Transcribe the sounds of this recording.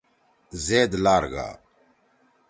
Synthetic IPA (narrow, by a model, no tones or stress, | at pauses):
zeːd̪laːɾɡa̰ː